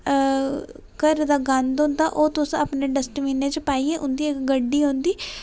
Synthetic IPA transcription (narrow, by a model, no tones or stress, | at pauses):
kəɾd̪aːɡand̪õːnd̪aːʔoːt̪ʊsapneːɖəsʈʋiːnẽːt͡ʃəpaːiːeʔʊnd̪iːɪkɡəɖːiːɦõːnd̪iː